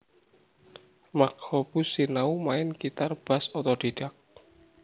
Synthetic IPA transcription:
makhɔb̥usinaumaɪnkit̪arb̥a̤sɔt̪ɔd̥eɖ̥ak̚

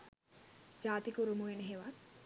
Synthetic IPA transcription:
d͡ʒaːt̪ikuɾumuʋeneɦeʋat̪

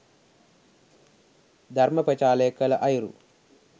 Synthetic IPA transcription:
d̪ʱɐɾmɐpɐt͡ʃaːleːkɐlɐʔɐjiɾṵ

